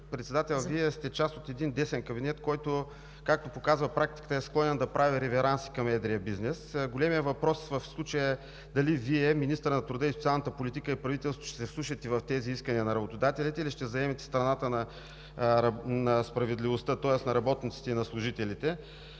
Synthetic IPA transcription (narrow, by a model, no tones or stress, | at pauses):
pɾɛt̪sɛd̪at̪ɛlˠviɛst̪ɛt͡ʃast̪ot̪ɛd̪ind̪ɛsɛnkɐbinɛt̪kɔjt̪ʊ | kak̚t̪opokazvəpɾak̚t̪ikə̥t̪əɛsklˠɔnɛnd̪ɐpɾaviɾɛvɛɾansi̥kɐmɛd̪ɾiɐbiznɛsɡolʲɛmijəvɐpɾɔsvɐfslˠut͡ʃəjəɛ | d̪ɐliviɛminist̪əɾnɐt̪ɾʊd̪əisot̪ialˠnət̪əpolit̪ikəipɾɐvit̪ɛlˠst̪vʊʃt̪ɛ̥sɛslˠuʃɐt̪ɛvɐft̪ɛziiskɐniənɐɾɐbot̪od̪at̪ɛlit̪ɛiliʃt̪ɛzɐɛmɛt̪ɛ̥st̪ɾɐnat̪ənɐ | nɐspɾɐvɛd̪livost̪ət̪ɔɛsnɐɾɐbɔt̪nit̪si̥t̪ɛinɐslˠʊʒit̪ɛlit̪ɛ